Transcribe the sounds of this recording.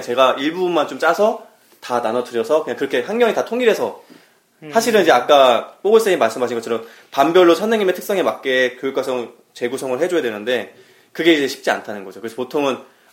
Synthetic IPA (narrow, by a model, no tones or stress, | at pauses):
t͡ɕe̞ɡaiɭbumːant͡ɕomt͡ɕ͈asʰʌ | tananʌtʰɯɾjʌsʰʌkɯɲaŋkɯɾʌkʰe̞hanɡjʌŋitatʰoŋiɾɦe̞sʰʌ | sʰaɕʰiɾɯnid͡ʑe̞ak͈apoɡɯɭs͈eŋimaɭs͈ɯmɦaɕʰinɡʌt͡ɕʰʌɾʌm | pambjʌɭːosʰʌnːeŋɲime̞tʰɯks͈ʌŋe̞mak̚k͈e̞kjojuk͈wasʰʌŋ | t͡ɕe̞ɡus̬ʰʌŋɯɭɦe̞d͡ʑojadwe̞nɯnde̞ | kɯɡe̞id͡ʑe̞ɕʰi̥p̚t͡ɕ͈ia̰ntʰanɯnɡʌd͡ʑokɯɾesʌpotʰoŋɯn